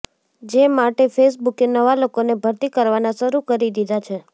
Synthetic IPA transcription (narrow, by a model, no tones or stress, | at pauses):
d͡ʒemaʈefesbukenəʋalokonebʱəɾt̪ikəɾʋanãʃəɾukəɾid̪id̪ʱat͡ʃʰe